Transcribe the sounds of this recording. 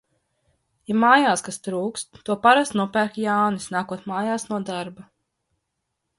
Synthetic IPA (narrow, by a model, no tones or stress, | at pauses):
jamaːjaːskast̪ɾuːkst̪ːuɔpaɾast̪nuɔpæːɾkjaːnisnaːkuɔt̪maːjaːsnuɔd̪aɾba